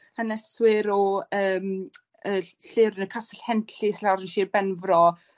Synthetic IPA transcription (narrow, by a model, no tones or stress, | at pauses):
ənɛswɪɾɔəːm | əːɬeːɾɪnəkʰasɛɬhɛntʰislaɾənʃiːrbɛnvrɔ